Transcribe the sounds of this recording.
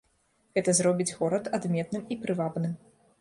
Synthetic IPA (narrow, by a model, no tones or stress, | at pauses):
ɣɛt̪ɐzɾɔbʲid͡zʲɣɔɾɐt̪ad̪mʲɛt̪̚nɨmipɾɨvabnɨm